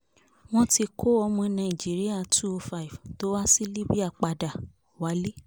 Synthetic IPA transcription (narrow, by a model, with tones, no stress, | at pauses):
w̃ɔ̃˦ti˧kʰo˦ɔ˧mɔ̃˧nã˨ĩ˨d͡ʒi˨˦ɾi˦a˦˨tʰu˦o˧fa˦i˨vto˨˦wa˦si˦li˦bi˦a˦˨k͡pa˧da˨ | wa˨˦le˦